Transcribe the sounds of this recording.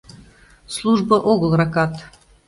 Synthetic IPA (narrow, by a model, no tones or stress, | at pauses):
slˠuʒbəʔoɣəlˠrɑkɑt̪